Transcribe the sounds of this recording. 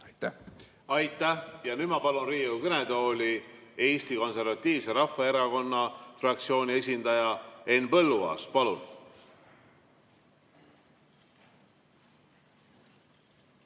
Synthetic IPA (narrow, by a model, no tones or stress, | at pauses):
ɑjt̪æ | ɑjt̪ːˑæhjɑnyd̪̥mɑpɑlunriːukɤne̞d̪o̞ːlʲi | e̞ːst̪iko̞nse̞ɾvɑt̪ːiːvse̞ɾɑfːɑe̞ɾɑko̞nːɑfrɑk̚t̪sio̞ːnʲie̞s̬ʲind̪ɑjɑe̞nːpɤ̞lːuɑ̰ːspɑlun